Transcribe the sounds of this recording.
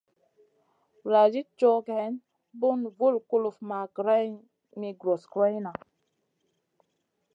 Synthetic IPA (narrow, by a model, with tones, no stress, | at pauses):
la˨d͡ʒi˦t͡ʃo˦khɛ˨˦n | bu˦nvu˦lku˦lu˨fma˨ɡɾa˦ | mi˨ɡɾo˨skɾa˦jna˨